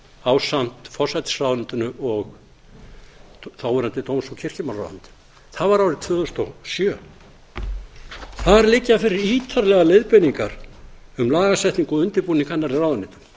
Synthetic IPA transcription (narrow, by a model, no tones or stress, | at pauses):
aːwsam̥t̪fɔrsajt̪ɪ̥srawðant̪ʏnʏɔɣ | θawɛɾant̪ɪt̪owmsɔcʰɪr̥cɪmara̰wðʏ̰nt̪ | θaðvaɾawɾɪðt̪ʰvʏːðʏst̪ɔsjœ | θaɾlɪcːafɪɾɪɾiːt̪ʰaɾlɛɣalejðpɪniŋkaɾʏmlaːɣasɛht̪niŋkɔʏnt̪ɪɾpuːnikʰanːaɾɪraːwðʏnɪt̪ʏ̥m